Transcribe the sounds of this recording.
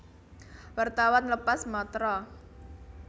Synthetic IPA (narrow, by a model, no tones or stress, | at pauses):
wart̪awanləpasmɔt̪ɾɔ